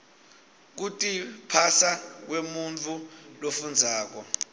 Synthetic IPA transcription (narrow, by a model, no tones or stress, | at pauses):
k̬utʼipʰasak̬wemunt͡fʰulofund͡zʱaːk̬ɔ